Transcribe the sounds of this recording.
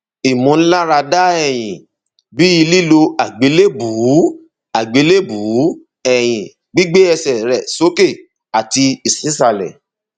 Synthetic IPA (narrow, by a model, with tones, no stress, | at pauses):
i˨mũ˨˦n̩˦la˦ɾa˧da˦ɛ˨j̃ĩ˨ | bi˦i˧li˦˨lo˧a˨ɡ͡be˨˦le˦˨bu˨˦ | a˨ɡ͡be˨˦le˦˨bu˨˦ | ɛ˨j̃ĩ˨ | ɡ͡bi˦ɡ͡be˦ɛ˧sɛ˨ɾɛ˨so˦ke˦˨ | a˨ti˧i˨sĩ˨˦sa˦˨lɛ̰˨